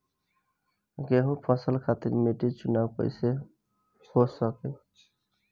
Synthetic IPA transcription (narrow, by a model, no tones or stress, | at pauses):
ɡeɦũpʰəsəlkʰat̪iɾmeʈit͡ʃunawpə̰ɪse | hosəke